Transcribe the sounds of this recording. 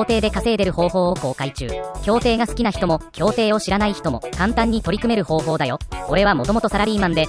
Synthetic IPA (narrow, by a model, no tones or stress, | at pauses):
oːt̪e̞ːd̪e̞kase̞ːd̪e̞ɾɯ̟ho̞ːɦo̞ːoko̞ːkait͡ɕɨ̰ːkʲo̞ːt̪e̞ːɡasɨ̥kʲinaçi̥t̪o̞mo̞kʲo̞ːt̪e̞ːo̞ɕiɾanaiçi̥t̪o̞mo̞̰kãnt̪ãɲ̟ːit̪o̞ɾʲikɯ̟me̞ɾɯ̟ho̞ːɦo̞ːd̪ajo̞koɾe̞βamo̞t̪o̞mo̞t̪o̞saɾaɾʲiːmãnd̪e̞